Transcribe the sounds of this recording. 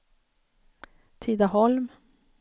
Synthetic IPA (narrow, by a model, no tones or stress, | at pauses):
t̪ʰiːd̪aɦɔlm